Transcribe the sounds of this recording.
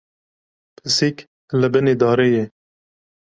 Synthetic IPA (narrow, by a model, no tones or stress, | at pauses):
pʰɨsik | ləbɨned̪ɑːɾeje